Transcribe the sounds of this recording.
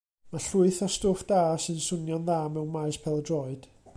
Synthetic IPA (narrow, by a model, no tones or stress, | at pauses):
maɬʊɨθɔstoːfd̥aːsɨnsʊnjɔnðaːmɛwnmaɨspʰɛlˠədrɔɨd̥